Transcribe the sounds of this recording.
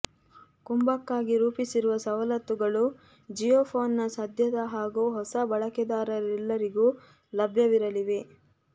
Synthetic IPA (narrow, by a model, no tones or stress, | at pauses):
kumbɐkːaːɡiɾuːpisiɾuʋɐsɐʋɐlɐt̪ːuɡɐɭu | d͡ʒijoːpʰoːnːɐsɐd̪ʱjɐd̪ɐɦaːɡuːɦɔsɐbɐɭɐkɛd̪aːɾɐɾɛlːɐɾiɡuː | lɐbʱjɐʋiɾɐliʋe̞